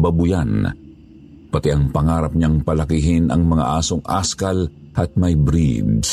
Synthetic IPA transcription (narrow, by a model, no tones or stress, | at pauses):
bɐbʊjan | pɐt̪ɛʔɐŋpɐŋaːɾɐp̚ɲaŋpɐlɐkɪɦɪnɐ̰ŋmɐŋa̰ʔaːsoŋʔa̰skɐl | ʔɐt̪̚mɐjbɾḭd̪